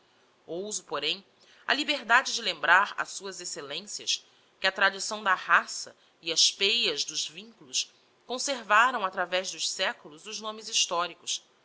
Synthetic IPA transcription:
owzupoɾẽj̃ | ɐ̰libeɾd̪ad͡ʒɪd͡ʒɪlẽmbɾaɾɐ̰suɐzeselẽsiɐs | kɪɐt̪ɾad͡ʒisɐ̃w̃d̪ɐhasɐ̰ | iɐspejɐzd̪ʊzvĩŋkulʊs | kõseɾvaɾɐ̃w̃at̪ɾavɛʒd̪ʊʃsɛkulʊzʊʒnõmɪziʃt̪ɔɾikʊs

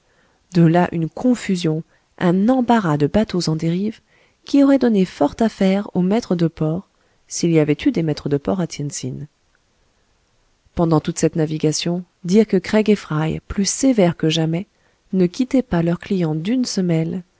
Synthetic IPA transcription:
d̪əlaʔynkʰɔ̃fyzjɔ̃ | ʔɛ̃nɑ̃baʁad̪əbat̪ozɑ̃d̪eʁiv | kʲiɔʁɛd̪ɔnefɔʁt̪afɛʁomɛt̪χəd̪əpɔʁ | siliavɛt̪yd̪emɛt̪χəd̪əpɔʁat̪jɛnsin | pɑ̃d̪ɑ̃t̪ut̪sɛt̪naviɡasjɔ̃ | d̪iʁkəkχɛɡefχajplysevɛʁkəʒamɛ | nəkʲit̪ɛpalœʁklijɑ̃d̪ynsəmɛl

